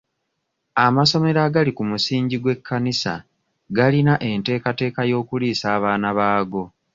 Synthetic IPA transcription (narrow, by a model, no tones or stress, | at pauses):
amaso̞me̞ɾaɡalikumusiːɲɟiɡwe̞kʰːanisa̰ | ɡalinaʔe̞nte̞ːkate̞ːkajo̞ːkuliːsaːβaːnaβaːɡo̞